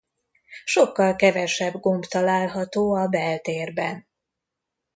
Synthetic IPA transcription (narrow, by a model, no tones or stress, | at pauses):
ʃokːɒlkɛvɛʃɛbɡo̞mbt̪ɒlaːlɦɒt̪oːɒbɛlt̪eːrbɛn